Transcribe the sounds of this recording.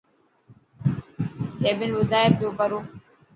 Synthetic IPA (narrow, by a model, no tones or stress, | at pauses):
d͡ʒeːbɪnʋʊd̪ʱaːeːpɪjoːkəɾoː